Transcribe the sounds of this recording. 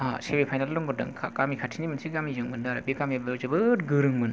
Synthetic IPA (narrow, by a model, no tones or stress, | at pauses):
asebepʰajnalːɔŋɡɔdɯ̰ŋkʰakamikʰatʰinimɐnsʰikamizɯŋmɯndaɾabikamibewzɯbɯɾɡɯɾɯŋmɯn